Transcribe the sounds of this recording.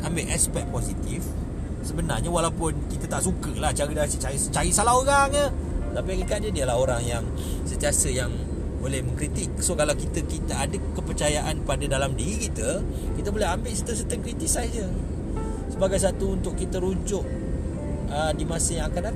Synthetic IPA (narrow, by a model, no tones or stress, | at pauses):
ʔambɪʔaspɛk̚posit̪if | səbənarɲawalawpʊnkit̪ət̪aʔsukəlat͡ʃaɾidasət͡ʃaɾit͡ʃaɾisalaɦoɾaŋəət̪apakikaʔ̚d͡ʒədiəlaɦoɾaŋjaŋ | sənt̪iasəjaŋ | bolɛhməŋkɾit̪ɪk̚sokalawkit̪əkit̪əadəkːəpərt͡ʃajaʔanpadədalamdiɾikit̪ə | kit̪əbolɛɦambɪʔsət̪əs̬ət̪əŋkɾit̪isad͡ʒə | səbaɡajs̬at̪uunt̪ʊʔkːit̪əɾuɲd͡ʒʊʔ̚ | ədimasəjaŋakana